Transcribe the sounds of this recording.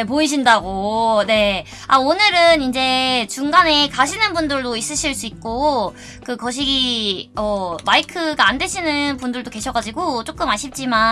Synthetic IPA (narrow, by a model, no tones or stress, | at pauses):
nepoiɕ̬ʰindaɡone̞ | aonɯɾɯnind͡ʑe̞t͡ɕuŋɡane̞kaɕ̬ʰinɯnbundɯɭdois͈ɯɕʰiɭs͈uik̚k͈o | kɯkʌɕ̬ʰiɡiʌmaikʰɯɡaːndeɕʰinɯnpundɯɭdoke̞ɕʰʌɡad͡ʑiɡot͡ɕ͈ok͈ɯmaɕʰip̚t͡ɕ͈ima